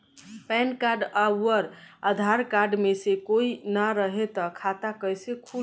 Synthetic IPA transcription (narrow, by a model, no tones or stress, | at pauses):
pɛnkaɾɖawəɾəd̪ʱaɾkaɾɖmesekoinaɾəɦet̪əkʰat̪akəjsekʰu